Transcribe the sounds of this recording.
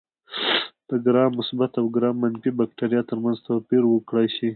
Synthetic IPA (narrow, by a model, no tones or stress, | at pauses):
d̪̥əɡɾɑmʊsbat̪awɡɾɑmanfibak̚ʈaɾjɑt̪əɾmanzt̪awpiɾwəkɽajʃi